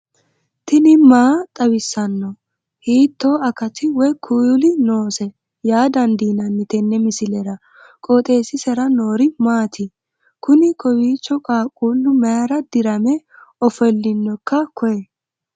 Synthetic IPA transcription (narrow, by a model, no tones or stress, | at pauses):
t̪ɪnɪmaːt̪ʼɐwɪsːɐnːɔ | hiːt̪ːoːɐkɐt̪ɪwɔkʰːujʊlɪno̞ːsɛ | jaːd̪ɐnd̪iːnɐnːɪt̪ɛnːɛmɪsɪlɛɾɐ | kʼɔt̪ʼe̞ːsɪsɛɾɐnoːɾɪmaːt̪ʰɪ | kʊnɪkɔwiːt͡ʃːɔkʼaːkʼuːlːʊmɐjɐɾɐd̪ɪɾɐmɛ | ɔfɔlːɪnːɔkːɐkɔjɛ